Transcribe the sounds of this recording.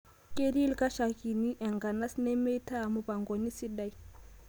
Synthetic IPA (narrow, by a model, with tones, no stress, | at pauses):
kʼe˦ɾi˦lkʼa˦ʃa˨ki˨ni˦ʔɛ˨ŋɡa˨na˦snɛ˦me˦tʰa˦˨mu˦pa˨ŋɡo˨ni˦si˦da˦i˦